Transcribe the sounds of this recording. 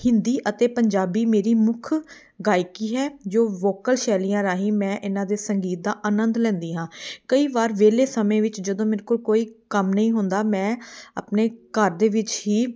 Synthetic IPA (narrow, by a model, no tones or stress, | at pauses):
hɪnd̪iːʔət̪eːpəɲd͡ʒaːbiːmeːɾiːmʊkʰ | ɡaːɪkiːɦɛːd͡ʒoːʋoːkəlʃɛːliːãːɾaːɦĩːmɛ̃ːʔɪnãːd̪eːsəŋɡiːt̪̚d̪aːʔaːnənd̪lɛ̃ːnd̪iːɦãːkəiːʋaːɾʋeːleːsəmẽːʋɪt͡ʃd͡ʒəd̪õːmɪnkʊlkoːiːkəmnəĩːɦʊnd̪aːmɛ̃ːa̰ːpneːkəɾd̪eːʋɪt͡ʃɦiː